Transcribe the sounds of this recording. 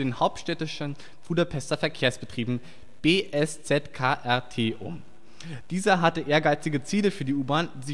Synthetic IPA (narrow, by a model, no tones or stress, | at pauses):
eːnhaʊp̚tʃtɛtɪʃn | fudopʰɛstɐfɛɐkʰeːɐsb̥ətʁ̥iːbm̩ | b̥eːʔɛst͡sɛtkʰaːʔɛɐtʰeːʔʊ̰m | d̥iːzɐɦatəʔeːɐɡaɪt͡sɪɡət͡siːləfyːɐdiːʔuːbaːnzɪ